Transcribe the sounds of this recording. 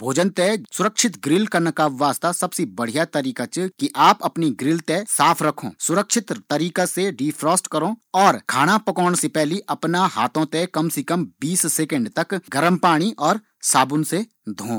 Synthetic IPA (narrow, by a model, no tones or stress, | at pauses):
bʱoːd͡ʒənt̪ɛsʊɾəkʃɪt̪ɡɾɪlkɐnɐkaʋaːst̪asɐbsebɐɽ̤ijat̪ɐɾiːkat͡ʃkiʔaːpɐpniɡɾɪlt̪esaːpʰɾɐkʰõ̰ːsʊɾəkʃɪt̪t̪ɐɾiːkaseɖiːpʰɾɔːsʈkɐɾõɔːɾkʰaːɽ̃apɐkɔːɽ̃sepɛɦliʔɐpnaɦaːt̪ʰõt̪ɛkɐmsekɐmbiːsseːkə̃ɳɖt̪ɐkɡɐɾəmpaːɽ̃iʔɔːɾ | saːbʊnse | d̪ʱõː